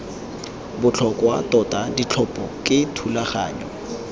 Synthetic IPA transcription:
bʊt͡ɬʰɔkʼwatɔtʼadit͡ɬʰɔpʼɔkʼɪtʰulaχa̰ːɲɔ

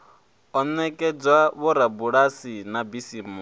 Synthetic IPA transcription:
ɔnɛkʼɛd͡zwaβɔɾabuɺasinabisimu

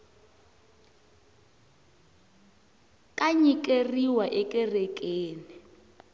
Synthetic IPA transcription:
kʼaɲikʼeriwaʔɛkʼɛrɛkʼeːni

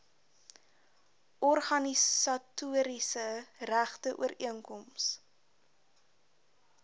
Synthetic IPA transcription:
ʔɔrχɐnisɐtuəɾisəræχtəʔṵəɾiəŋkɔms

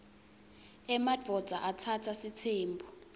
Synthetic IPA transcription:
ɛmad͡vʱɔd̥d͡z̥ʱa̰ʔatʰatʰasitʰeːmbʱu

